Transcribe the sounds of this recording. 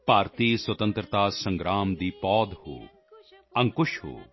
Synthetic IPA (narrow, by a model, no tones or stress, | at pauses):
paːɾt̪iːswɐt̪ə̃nt̪ɾət̪aːsɐ̃ŋɡɾaːmd̪iːpɔːd̪ho̰ː | ɐ̃ŋkʊʃho̰ː